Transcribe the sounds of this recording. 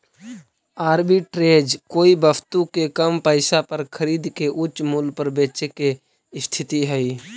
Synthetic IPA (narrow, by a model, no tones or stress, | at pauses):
aːɾbiʈɾeːd͡ʒkoːibəpʰt̪ukekəmpəɪsapəɾkʰəɾiːd̪keʔʊt͡ʃːmulpəɾbeːt͡ʃeke | ɪst̪ʰɪt̪iɦɛi